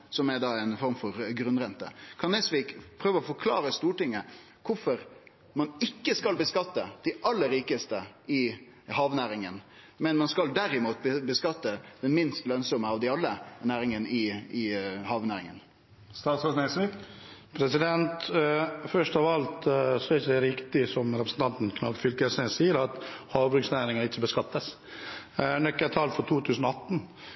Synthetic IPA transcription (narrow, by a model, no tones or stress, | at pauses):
sɔmɛɾd̪ɑːɛɪnfɔɾmfɔɾɡɾʉnɾɛnt̪ə̰kʰɑnɛsʋiːkpʰɾøːʋəɔfɔɾkʰlɑ̰ːɾəst̪uːʈɪŋːə | kʰʊfɔɾ | mɑnɪkːəskɑlbəskɑt̪ːəd̪̥ɪʔɑlːəɾːiːkəst̪əɪ | hɑːʋnæːɾɪŋən | mɛnmɑnskɑld̪æɾɪmuːt̪bəbəskɑt̪ːəd̪̥ɛnmɪnst̪lœnsɔməɑʋd̪ɪɑlːənæːɾɪŋənɪɪhɑːʋnæːɾɪŋə̰n | st̪ɑːt̪sɔsnɛɪsɪpʰɾɛsɪd̪ɛnt̪fœʂtɑʋɑlt̪sɔɛɪçəd̪ɛɾɪkt̪ɪsɔmɾɛpɾəsn̩t̪ʰɑnt̪n̩kʰnɑfʏlkəsɛsiːəɾɑt̪hɑːʋbɾʉksnæːɾɪŋəɾɪt͡ʃːəbəskɑt̪ːəs | nœkːət̪ʰɑlfɔɾt̪ʰuːt̪ʰʉːsən̩ɔɑt̪ːn̩